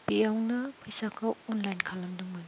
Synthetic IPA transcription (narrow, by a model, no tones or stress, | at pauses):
piawnɐpʰɯjsakʰawɔnlajnkʰalɐmduŋmɯn